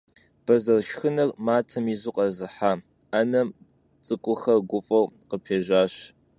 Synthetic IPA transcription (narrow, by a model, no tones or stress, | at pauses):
b̥ɐzɐrʃxɨnɐrmaːtʰɐmizuqʼɐzɨħaː | anɐm | t͡sʼɨkʷʼʊxɐɡʷʊfʼɐwqəpʰeːʒaːɕ